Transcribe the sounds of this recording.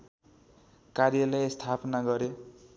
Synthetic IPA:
karjʌlajst̪ʰapnaɡʌɾe

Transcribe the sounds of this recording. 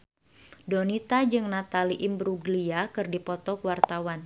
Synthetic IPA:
dɔnit̪ad͡ʒɨŋnat̪aliʔimbɾuɡliakɨrdipɔt̪ɔkwart̪awan

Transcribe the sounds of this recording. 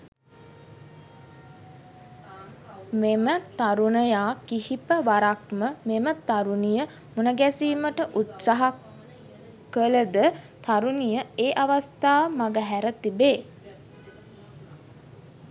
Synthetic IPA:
memət̪aɾunəjaːkihipəʋaɾakməmemət̪aɾunijə | munəɡɛsiːməʈəʔut̪saɦakː | ələd̪ə | t̪aɾunijəeːʔaʋast̪aːmaɡəɦæɾət̪ibeː

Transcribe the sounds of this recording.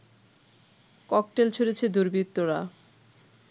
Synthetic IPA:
kɔk̚ʈelt͡ɕʰoɾet͡ɕʰed̪uɾbit̪ːoɾa

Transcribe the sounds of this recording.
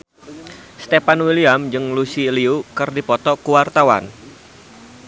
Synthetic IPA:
st̪epanwiliamd͡ʒɨŋlusiliukɨrdipɔt̪ɔkuwart̪awa̰n

